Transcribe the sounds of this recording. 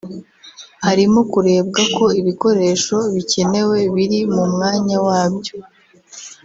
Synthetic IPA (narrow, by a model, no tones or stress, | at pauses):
haɾimo̞kuɾe̞ːbɡako̞iβiko̞ɾe̞ːʃo̞βice̞ne̞we̞βiɾimumŋaːɲawaːbjo̞